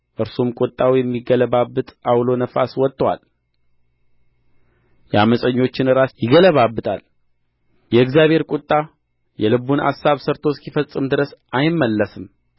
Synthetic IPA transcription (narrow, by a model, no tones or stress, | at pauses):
ʔɨɾsumkʼut̪ʼːawjɛmːiɡələβabːɨt̪ʼawlo̞nəfa̰swɔt̪ʼːwa̰l | jɛaməsʼəɲːo̞t͡ʃːɪnɨɾasjɪɡələβabːɨt̪ʼa̰l | jɛɨkzjaβhe̞ɾkʼut̪ʼːa | jɛlɨβuna̰sːaβsəɾt̪ʰoskifəsʼːɨmd̪ɨɾəsʔajɪmːəlːəsɨm